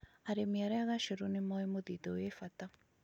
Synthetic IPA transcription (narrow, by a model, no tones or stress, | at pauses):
aɾemiaɾɛaɣaʃoɾonemaemoðiðowefata